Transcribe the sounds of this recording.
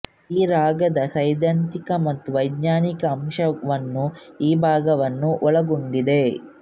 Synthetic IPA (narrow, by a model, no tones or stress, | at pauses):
iːɾaːɡɐd̪ɐsɐjd̪ɐnt̪ikɐmɐt̪ːuʋɐjd̪ɲaːnikɐːmʂɐʋɐnːu | iːbʱaːɡɐʋɐnːuʔɔɭɐɡoɳɖid̪e̞